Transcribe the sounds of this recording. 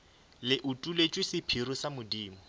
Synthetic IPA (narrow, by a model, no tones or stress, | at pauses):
lɪʔutʼulet͡ʃʼwɪsɪpʰirʊsamʊdiːmɔ